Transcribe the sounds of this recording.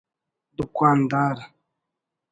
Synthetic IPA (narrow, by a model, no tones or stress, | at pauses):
dukʷwan̩daɾa